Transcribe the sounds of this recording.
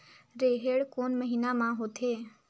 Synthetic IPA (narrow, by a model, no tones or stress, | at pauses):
ɾeːɦeːɽkoːnməɦiːnamãɦoːt̪ʰeː